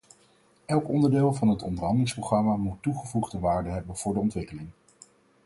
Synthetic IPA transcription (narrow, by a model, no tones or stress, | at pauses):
ʔɛlˠkɔndəɹdɪːlˠvɑnɦətɔ̰ndərɦɑndəlɪŋsproχrɑmamutːuχəvuχdəʋaːɹdəɦɛbənv̥ʊːɹdəɔntʋɪkəlɪŋ